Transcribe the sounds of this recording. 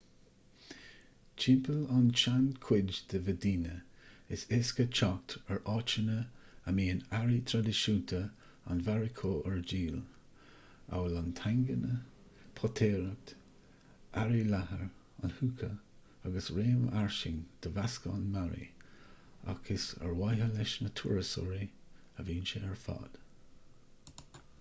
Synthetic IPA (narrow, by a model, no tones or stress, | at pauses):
t͡ʃʰɪmpəlant͡ʃankʰw̥ɪd͡ʒd̪̥əvədiːnəɪsɪskət͡ʃʰak̚t̪əɹʔɑːt͡ʃənəəmiːənaɹit̪ʰɾad̪əʃuːnt̪ʰə | a̰nvaɹɪkʰoːʔəɹd͡ʒiːl | a̰wəlɑnt̪ʰaŋɡənə | pʰɔt̪ʰeːɾək̚t̪ | ʔaɹilahəɹ | a̰nhukʰə | aɡəsɹeːmə̰ʔaɹʃɪŋd̪̥əvaskəanmaɹḭ | a̰kʰɪsə̰ɹwajɦəlɪʃnətʰuɹəsɔ̰ɹi | əviːnʃəɛɹfa̰ːd̪̥